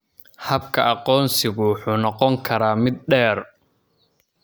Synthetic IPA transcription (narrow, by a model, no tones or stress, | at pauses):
hɐb̚kʰɐʔɑqɔːnsɪɣʊħuːnɔqɔŋkʰɐɾaːmɪd̪̚ɖɛːr